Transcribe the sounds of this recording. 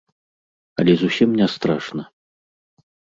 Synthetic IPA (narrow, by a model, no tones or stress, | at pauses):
ɐ̰lʲɛzusʲimnʲɛst̪ɾaʂnɐ